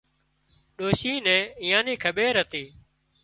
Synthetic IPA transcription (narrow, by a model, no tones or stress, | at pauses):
ɗoːʃiːnɛ̃ːɪjãːniːkʰəɓeːɾɦət̪iː